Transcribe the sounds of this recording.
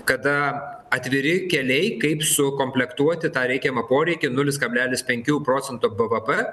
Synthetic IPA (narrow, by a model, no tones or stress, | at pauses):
kɐd̪ɐ | ɐt̪ʲʋʲɪɾʲɪkʲɛlʲɛɪkɐɪpsʊkoːmʲpʲlʲɛkt̪uɔt̪ʲɪt̪ɑːɾʲɛɪkʲɛmɐpoːɾʲɛɪkʲɪnʊlʲɪskɐbʲlʲæːlʲɪspʲɛŋʲkʲuːpɾoːtsʲɛnt̪ubɐʋɐpɛ